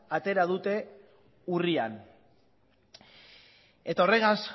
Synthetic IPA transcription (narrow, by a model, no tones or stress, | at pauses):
at̪e̞ɾað̞ut̪e̞ | urian | e̞t̪aore̞ɣas